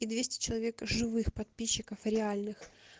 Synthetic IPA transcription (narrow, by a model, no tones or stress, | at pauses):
id̪vʲesʲtʲɪ̥t͡ɕɪlˠɐvʲekʐɨvɨxpɐt̪̚pʲiɕːɪkəfɾʲɪalʲnɨx